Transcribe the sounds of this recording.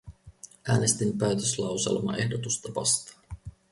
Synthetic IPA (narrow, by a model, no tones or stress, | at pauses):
ʔæːne̞st̪inpæːt̪øslɑwsḛlmɑ̰ʔe̞hdot̪ust̪ɑʋɑ̰st̪ɑ̥ː